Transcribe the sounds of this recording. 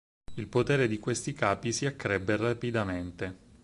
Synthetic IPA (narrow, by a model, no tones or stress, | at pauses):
ilpot̪eːɾed̪ikwest̪ikaːpisiakːɾɛbːerapid̪ament̪e